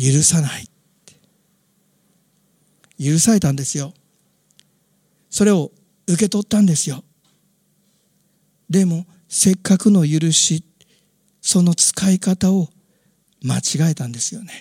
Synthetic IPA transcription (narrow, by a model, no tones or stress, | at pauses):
jɯ̟ɾɯ̟sanait | e̥ | jɯ̟ɾɯ̟saɾe̞t̪ãnd̪e̞sɨjo̞ | so̞ɾe̞o̞ | ɯ̟ke̞t̪o̞t̪ːãnd̪e̞sɨjo̞ | d̪e̞mo̞ | se̞kːakɯ̟no̞jɯ̟ɾɯ̟ɕi | so̞no̞t͡sɨ̥kaikat̪ao̞ | mat͡ɕiɡae̞t̪ãnd̪e̞sɨjo̞ne̞̥